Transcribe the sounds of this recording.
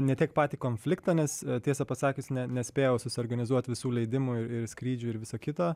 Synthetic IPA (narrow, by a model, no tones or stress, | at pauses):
nʲɛt̪ʲiɛkpɑːt̪ʲiːkoːnʲfʲlʲɪkt̪ɑnʲɛst̪ʲiɛsɐpɐsɑːkʲɪsnʲɛnʲɛsʲpʲeːjɛʊsʊsʲɪɔːɾɡɐnʲɪzuɔt̪ʲʋʲɪsuːlʲɛɪd̪ʲɪmuɪɾɪɾsʲkɾʲiːd͡ʒʲuːɪɾʋʲɪsoːkʲɪt̪oː